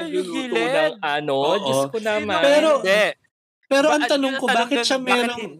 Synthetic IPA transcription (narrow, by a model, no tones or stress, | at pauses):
jʊt̪unɐŋɐnod͡ʒkʊnampɛːɾo | pɛːɾo̞ʔɐŋt̪ɐnoŋkobaːkɪt̪̚ʃɐmɛːɾo̞ŋ